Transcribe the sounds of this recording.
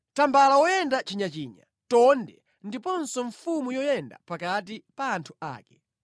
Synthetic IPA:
tambalawɔjɛndat͡ʃiɲat͡ʃiːɲa̰ | tɔndɛ | ndipɔnsɔɱfumujɔjɛnda̰pakat̬ipaːntʰua̰ːkɛ

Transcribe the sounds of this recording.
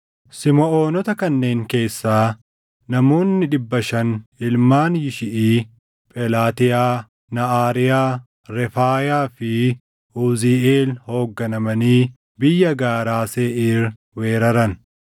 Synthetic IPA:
sɪmɔoːnɔt̪ɐkɐnːe̞ːŋke̞ːsːaː | nɐmo̞ːnːɪᶑɪbːɐʃɐnɪlmaːnjɪʃɪʔiː | pʼɛlaːt̪ɪjaː | nɐʔaːɾɪjaː | ɾɛfaːjaːfɪ | uːziʔeːlho̞ːɡːɐnɐmɐniː | bɪjːɐɡaːɾaːseːʔiːɾ | weːɾɐɾɐn

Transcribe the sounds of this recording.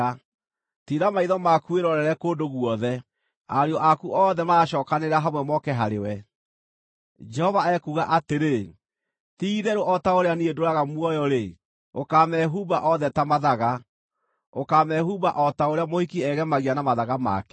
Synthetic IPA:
a | tiɾamaiðɔmakueɾɔɾɛɾɛkodoɣwɔðɛ | aɾeɔʔakuʔɔːðɛmaːɕɔːkaneɾaɦamwɛmɔkɛɦaɾewɛ | d͡ʒɛhɔvaɛkuɣaʔateɾe | tiiðɛɾoʔɔtaoɾeaniedoɾaɣamwɔjɔɾe | okaːmɛɦubaʔɔðɛtamaðaɣa | okaːmɛhubaʔɔtaoɾeamohikiɛɣɛmaɣianamaðaɣama̰kɛ

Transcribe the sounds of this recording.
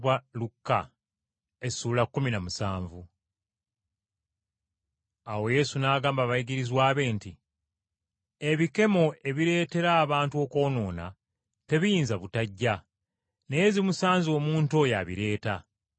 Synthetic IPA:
walukːa̰ | e̞sulakːuminamusaːɱvu | awo̞je̞sunaːɡaːmbaβaiɡiɾizwaːβe̞ːnti | e̞βike̞mo̞e̞βiɾe̞ːte̞ɾaːβaːntuo̞ko̞ːno̞ːna̰ | te̞βijiːnzaβutaɟːa | ne̞je̞zimusaːnzo̞ːmuːnto̞jaβḭɾe̞ːta

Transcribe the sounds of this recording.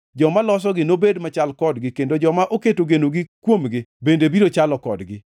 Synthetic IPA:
d͡ʒɔmalɔs̬ɔɡɪnobedmat͡ʃalkɔdɡɪkendod͡ʒɔmaʔoketoɡenoɡɪkwomɡɪbendebiɾot͡ʃalɔkɔdɡɪ

